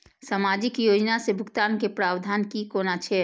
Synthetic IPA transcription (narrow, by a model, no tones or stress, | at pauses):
saːmaːd͡ʒɪkjoːd͡ʒnasebʱʊkt̪aːnkepɾaːbd̪ʱaːnkikoːnat͡ʃʰɛ